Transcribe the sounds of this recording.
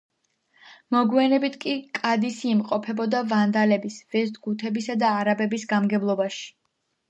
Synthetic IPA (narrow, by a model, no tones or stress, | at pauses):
mɔɡwɛnɛbit̪ʰkʼikʼad̪isiːmqʼɔpʰɛbɔd̪avand̪alɛbisvɛzd̪ʼɡut̪ʰɛbisad̪aːɾabɛbisɡamɡɛblˠɔbaʃi̥